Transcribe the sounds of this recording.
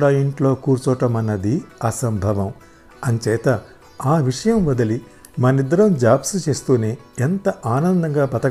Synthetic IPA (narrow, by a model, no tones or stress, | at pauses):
ɽaːjiɳʈlo̞ːkuːɾt͡ʃuʋɐʈɐmɐnːɐd̪iɐsɐmbʱɐʋɐm | ɐnt͡ʃɛːt̪ɐ | aːʋiʂɐjɐmʋɐd̪ɐli | mɐnid̪ɐɾɐmd͡ʒaːpsut͡ʃe̞ːst̪uːneː | ent̪ɐʔaːnɐnd̪ɐŋɡaːbɐt̪ɐ